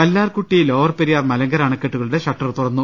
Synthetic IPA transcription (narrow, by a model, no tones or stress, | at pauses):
kɐlːaːrkuʈːijilo̞ːʋɐrpeɾijaːrmɐlɐŋɡɐɾaːɳɐkːeʈːuɣɐɭuɽe̞ɕɐʈːɐrt̪urɐnːu